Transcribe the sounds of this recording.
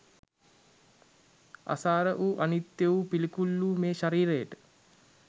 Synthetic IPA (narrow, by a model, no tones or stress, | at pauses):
a̰saːɾəʔuʔanit̪jəupilikulːuːmeːʃaɾiːɾəjəʈə̥